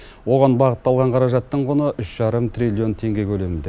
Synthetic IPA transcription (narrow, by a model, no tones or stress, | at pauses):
wo̞ʁɑnbɑʁət̪ːɑlˠʁɑɴqʰɑɾɑʒɑt̪ːəɴqʰonəʔʏʃʒ̥ɑɾəmt̪rilʲio̞nt̪ʰe̞ŋɡʲe̞kʲʰɵlemɪnd̪e̞